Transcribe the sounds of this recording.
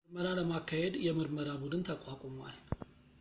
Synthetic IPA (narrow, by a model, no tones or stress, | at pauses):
ɾməɾaləmakːahe̞d̪jɛmɨɾməɾabud̪ɨnt̪ʰəkʼwakʼomwa̰l